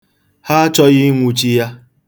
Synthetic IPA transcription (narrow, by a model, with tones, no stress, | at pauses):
ha˦t͡ʃɔ˦ɣɪ˦ŋʷu˨t͡ʃi˦ja˦